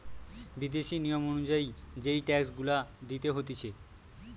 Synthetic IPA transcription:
bid̪eʃinijomonud͡ʑaid͡ʑejʈɛksɡulad̪it̪eɦot̪et͡ɕʰe

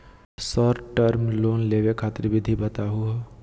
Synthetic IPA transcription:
sɔɾʈəɾmloːnleːʋekʰaːt̪ɾibɪd̪ʱibət̪aɦʊa

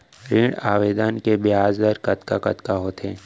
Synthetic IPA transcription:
ɾiːɽaːʋeːd̪ənkebjaːzd̪əɾkɐt̪ka̰kɐ̰t̪kaɦoːt̪ʰeː

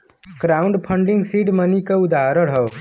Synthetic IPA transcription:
kɾaːʊɳɖpʰəɳɖiŋɡsiːʈmənikeud̪aɦɾəɽɦəʋ

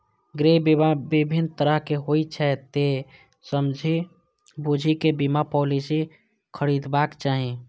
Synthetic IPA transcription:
ɡɾebibʱint̪əɾəɦkeɦoit͡ʃʰɛt̪e | səmd͡ʒʱi | bud͡ʒʱikebimapɔlisi | kʰəɾid̪bakt͡ʃaːɦi

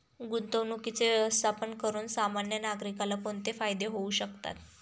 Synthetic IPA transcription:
ɡunt̪əʋnukit͡seəst̪ʰapənkəɾuːnsamanjənaɡɾikalakoɳt̪efajd̪eɦouɕəkt̪a̰t̪

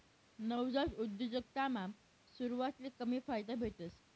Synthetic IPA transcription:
nəwd͡zat͡sud̪jəd͡zək̚t̪amam | suɾuʋat̪likəmiːfajd̪əbʱet̪əs

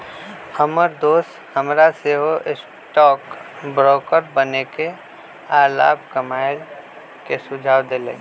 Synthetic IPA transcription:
həməɾd̪oːst̪ | həmɾaseɦoʔɪs | ʈɔːkbɾɔːkəɾbəneke | aːla̰ːb̚kəmaːɪl | kesʊd͡ʒʱaːʋd̪elḛ̃ː

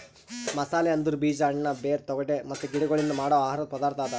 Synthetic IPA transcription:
mɐsaːleɐnd̪uɾubiːd͡ʒaːɳnɐbeːɾt̪ɔɡɐʈemɐt̪ːuɡiɽɛɡoɭind̪umaːɽɔːaːɦaːɾɐt̪̚pɐd̪aːɾt̪aːd̪ɐ

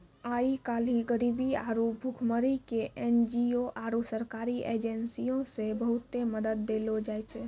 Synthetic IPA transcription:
aikaliɡəɾibiaɾubʱukʰməɾikeʔend͡ʒioʔaɾusəɾkaɾiʔed͡ʒensijõsebəɦut̪ːeməd̪əd̪ːelod͡ʒajt͡ʃʰɛ

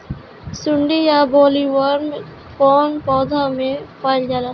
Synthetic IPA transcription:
sʊɳɖijaboːliwɔɾn | kɔːnpɔːd̪ʱamẽpʰaːɪld͡ʒaːlaː

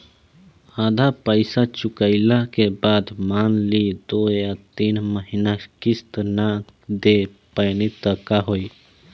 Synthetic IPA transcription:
aːd̪ʱapəɪsat͡ʃʊkəɪlakebaːd̪maːnlid̪oːjat̪iːnməɦinakɪst̪nad̪e | pəjnit̪əkaɦoːi

